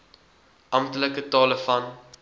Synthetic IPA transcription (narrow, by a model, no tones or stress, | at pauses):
ʔɐmtələkətɑːləfɐn